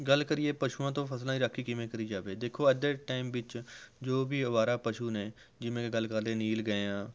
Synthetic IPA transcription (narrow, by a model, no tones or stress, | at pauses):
ɡəlkəɾɪeːpəʃuːãːt̪̬õːpʰəslãːĩɾəkʰːiːkɪmẽkəɾiːd͡ʒaːʋeːd̪eːkʰːoːəd̪eːʈaːɪmʋɪt͡ʃd͡ʒoːbiːəʋaːɾaːpəʃuːnẽː | d͡ʒɪmẽːeɡəlkəɾd̪ẽːniːlɡəeãː